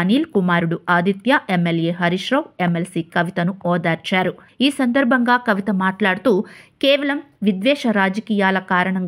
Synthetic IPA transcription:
niːlkumaːɾuɽuaːd̪it̪jaʔe̞mːelje̞ːɦɐɾiʂɾɐwe̞mːelsiːkɐʋit̪ɐnuɔːd̪aːɾt͡ʃaːɾu | iːsɐnd̪ɐɾbʱɐŋɡaːkɐʋit̪ɐmaːʈlaːɽut̪uːkeːʋɐlɐmʋid̪ʋɛːʂɐɾaːd͡ʒɐkiːjaːlɐkaːɾɐɳɐŋ

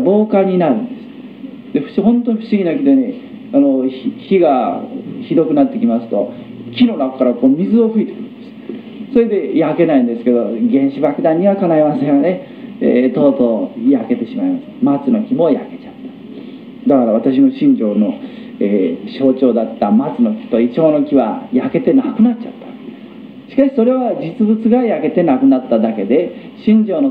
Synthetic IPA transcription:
bo̞ːkaɲ̟inaɾɯ̟̃nd̪esɨ̥ | d̪̥e̞ɸɯ̥ɕɦõ̞nt̪oɲʲɸɯ̟̥ɕiɡʲinakʲit̪one | anoççiɡaçid̪o̞kɯ̟nat̪ːe̞kʲimasɨ̥t̪o̞kʲino̞ɾakkːaɾakoːmʲizɨo̞ɸɯ̟it̪e̞̥kɯ̟ɾɯ̟̃nd̪̥esɨ̥ | so̞ɾe̞d̪e̞jake̞naĩnd̪esɨ̥ke̞d̪oɡẽ̞ɰ̃ɕibakɯ̟d̪ãɲ̟ːiβakanaiβaseɡane̞ | ḛt̪o̞ːt̪ojake̞t̪e̞ɕimaimasemat͡sɨno̞kʲimo̞ja̰ke̞t͡ɕat̪ːḁ | d̪akaɾaβat̪aɕ̬ino̞ɕĩɲ̟d͡ʑo̞ːno̞ | eːɕo̞ːt͡ɕo̞ːd̪at̪ːamat͡sɨno̞kʲi̥t̪o̞it͡ɕo̞ːno̞kʲiβa̰jake̞t̪e̞nakɯ̟nat͡ɕa̰t̪ːḁ | ɕi̥kaɕi̥so̞ɾe̞βad͡ʑit͡sɨbɯt͡sɨɡajake̞t̪e̞nakɯ̟nat̪ːad̪ake̞d̪e̞ɕĩɲ̟d͡ʑo̞ːno

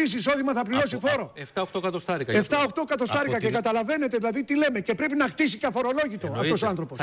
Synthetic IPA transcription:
is̬iːso̞ðimɐθɐpliɾo̞sifo̞ɾo̞eft̪ɐoxt̪okɐt̪ost̪ɐɾikɐeft̪ɐoxt̪o̞kɐt̪o̞st̪ɐɾikɐcekɐt̪ɐlɐve̞ne̞t̪eðilɐðit̪ile̞me̞ce̞pɾe̞pinɐxt̪isiceɐfo̞ɾo̞lo̞ʝit̪oɐft̪o̞soɐnθɾo̞po̞s

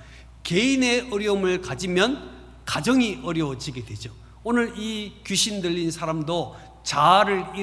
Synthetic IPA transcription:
keine̞ʔʌɾjʌmɯɭkad͡ʑimjʌn | kad͡ʑʌŋiʔʌɾjʌwʌd͡ʑiɡedwe̞d͡ʑo | onɯɾikjuɕʰindɯʎːinsʰaɾamdo | t͡ɕaɾɯɭi

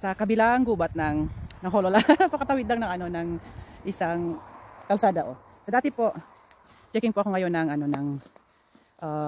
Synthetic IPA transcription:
sɐkɐbɪlaŋɡuːbɐt̪̚nɐŋnɐŋɦololapɐkɐt̪awɪd̪lɐŋnɐŋɐno̞nɐŋʔɪsaŋkɐlsaːd̪ɐʔo | sɐd̪aːt̪ɪpo̞ʔ | t͡ʃɛkɪŋpoʔɐko̞ŋɐjo̞nːɐŋɐno̞nɐŋ | ʔaː

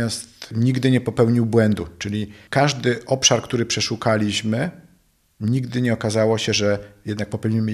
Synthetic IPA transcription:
ast̪ɲiɡd̪ɘɲɛpɔpɛwɲiwbwɛnd̪ut͡ʂɘlʲikaʐd̪ɘʔɔpʂaɾkt̪uɾɘpʂɛʂukalʲiɕmɘ | ɲiɡd̪ɘɲɛɔkazawɔɕɛʐɛjɛd̪nak̚pɔpɛwɲimɘ

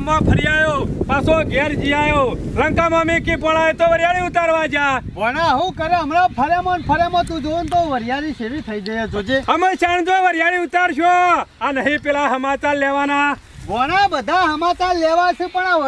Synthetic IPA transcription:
əmãːpʰəɾɪjaːjoːpaːsoːɡeːɾd͡ʒijaːjoːləŋkaːmãːmĩːkiːpoːlaːeːt̪oːʋəɾjaːɽiːʊt̪aːɾʋaːd͡ʒaːʋoːɽãːɦũːkəɾeɦəmɾaːpʰəɾamãnpʰəɾːmãːt̪ũːd̪oːnt̪oʋəɾɪjaːniːʃeʋiːt̪ʰəid͡ʒəjaːd͡ʒoːd͡ʒeːɦəmãːʃaːnd̪õːʋəɾjaːniːʊt̪aːɾʃoaːnəɦĩːpɪlaːɦəmãːt̪aːlleːʋaːnaː | ʋoːɽ̃aːbəd̪ʱaːɦəmãːt̪aːleːʋaːt͡ʃʰũpəɳa

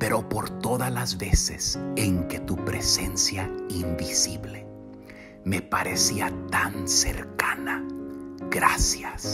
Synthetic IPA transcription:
pe̞ɾo̞po̞ɾt̪o̞ðalazβe̞sḛseŋke̞t̪upɾe̞se̞nsjaimbisiβle | mepaɾe̞siat̪ansḛɾkana | ɡɾasjas

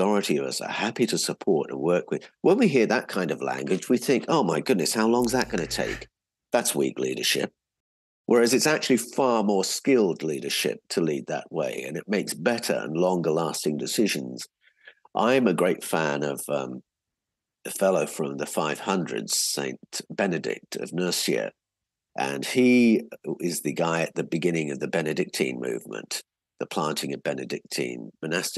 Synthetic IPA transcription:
ɑɹɨɾiʌvʌ̰sə̰˞hæpiɾɨsəpʰɔɹɾə̰̃nwɜ˞kwɨð̥wə̃nwiɦiɹðət̚kʰãɪ̃ndʌvlæ̰̃ŋɡwɨd͡ʒwiθɪ̃ŋkoʊmaɪɡʊdⁿnɨshaʊlɔ̃ŋzðət̚ɡ̥ʌnɨtʰḛɪk | ðætswḭklḭɾə̰˞ʃɪ̰p̚ | wʔə˞æzɨtsæk̚t͡ʃʉl̩ˠifɑɹmɔɹskɪlˠdˡliɾə˞ʃɪ̰p̚tʰəlid̪̚ðə̰ʔ̚wḛɪɨ̰̃nɨt̚meɪksb̥ɛɾə̰˞ə̰̃nlɔ̃ŋɡə˞læstɪ̃ŋdɨsɪʒɨ̃nz̥ | ʔã̰ɪɨ̃mɨɡɹeɪtfæ̃nʌv̥ʌ̃m | ɨfɛlˠoʊfɹʌ̃mðəfaɪv̥hʌ̃ndɹɨ̰dz̥sḛ̃ɪ̃nb̥ɛnɨdɪ̰k̚tʰʌ̰vnɜ˞siɨ̰ | ʔɨ̰̃ni | ɪzðɨɡaɪɨt̪̚ðɨbɨɡɪ̃nɪ̃ŋʌvðɨbɛnɨdɪk̚tʰḭ̃nmʉ̰vmə̰̃n | ðəpʰl̥æ̃ntʰɪ̃ŋʌvbɛnɨdɪk̚tʰḭ̃nmɨnæstɪ

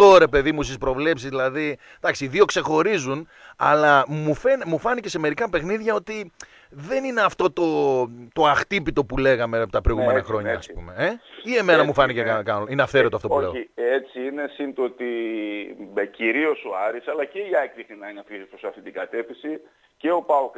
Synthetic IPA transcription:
t̪o̞ɾe̞pe̞ðimust̪ispɾo̞vle̞psizðilɐði | d̪̥ɐksiːðio̞kse̞xo̞ɾizun | ɐ̰lɐmufenmufɐnice̞se̞me̞ɾikɐpe̞xniðʝɐo̞t̪i | ðe̞nineɐft̪o̞t̪o̞t̪o̞ɐxt̪ipit̪o̞pule̞ɣɐme̞pot̪ɐpɾojɣume̞nnɐxɾo̞ɲɐɐspṵme̞eie̞menɐmufɐnicekɐkɐinɐfθeɾo̞t̪oɐft̪ouoeiet͡siine̞sint̪ot̪i | meciɾio̞so̞ɐɾisɐlɐceiɐekðixninɐineɐfisipɾosɐft̪it̪iɡɐt̪e̞fisi | ce̞o̞pɐok

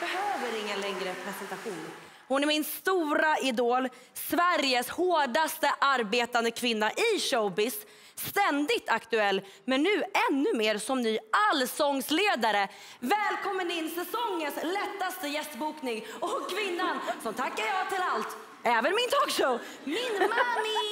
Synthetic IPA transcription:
b̥ɛɦøːvəɾɪŋːənlɛŋɾəpʰɾɛsɛnt̪aɧuːn | hʊnæɾmɪnst̪uːɾaɪd̪oːl | svæɾjəshoːɖast̪əʔaɾbeːt̪and̪əkʰvɪnːaʔɪɕobɪsː | t̪ɛnd̪ɪɡ̚t̪ʰakt̪ɵɛlː | mɛnːʉ̟ːɛnːɵmeːɾsɔmnyːalːsɔŋsleːd̪aɾə | vɛːlkʰɔmːənɪnːsɛsɔŋːənslɛt̪ːast̪əjɛst̪buːknɪŋɔkʰːvɪnːansɔmt̪ʰakːaɾjɑt̪ʰɪlalt̪ | ɛːvənmɪnt̪ʰoːkʂoʊ | mɪnma

